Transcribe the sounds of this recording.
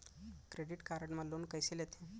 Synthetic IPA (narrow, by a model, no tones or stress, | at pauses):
kɾeɖiʈkaɾəɽmalonkəjsilet̪ʰẽ